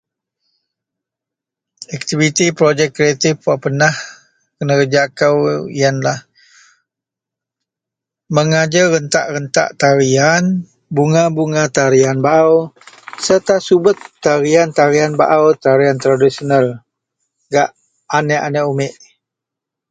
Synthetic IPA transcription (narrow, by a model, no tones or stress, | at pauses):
ɛk̚t̪ivit̪ipɾod͡ʒɛkːɾiat̪ifpaʔpənah | kənəkəd͡ʒakəwijanlah | məŋad͡ʒəɣənt̪a̰ʔɾənt̪a̰ʔt̪aɾian | buŋabuŋat̪aɾianbaʔaw | sərt̪asubət̪ːaɾiant̪aɾianba̰ʔawt̪aɾiant̪ɾadisonal | ɡaʔ | anɛʔanɛʔumɪʔ